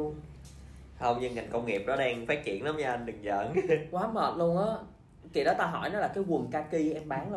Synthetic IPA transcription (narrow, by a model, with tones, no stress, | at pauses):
hə˧wŋ͡mɲɨ˧ŋa˨˩jŋ̟kə˧wŋ͡mŋi˨˩əp̚ɗɔ˨˦ɗɛ˧ŋfaː˦˥t̚t͡ɕḭ˧˨ənla˨˦ma˧a˧nɗɨ˨˩ŋzə̰ː˧˨nkwaː˨˦məː˨˩t̚lu˧əŋʔaː˨˦ | kḭ˨˩˨ɗɔ˨˦t̪aː˧ɦɔ̰˧˩˨jnɔ˨˦laː˨˩kaː˨˦jwə˨˩ŋkaː˧ki˧ʔɛ˧mɓaː˨˦ŋl